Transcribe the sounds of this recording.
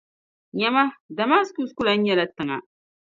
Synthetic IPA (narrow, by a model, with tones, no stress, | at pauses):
ɲa˦ma˦da˨ma˦sku˦sku˦la˨n̩˦ɲɛ˦la˦tɨ˨ŋa̰˨